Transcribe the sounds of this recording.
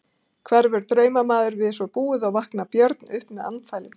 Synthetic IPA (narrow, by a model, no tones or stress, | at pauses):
kʰvɛɾvɛɾt̪ɾœːɥmamaːðʏɾvɪðsvɔpuːɪðawvahknapjœɾt̪nʏhpmɛða̰nːfaːjlɪn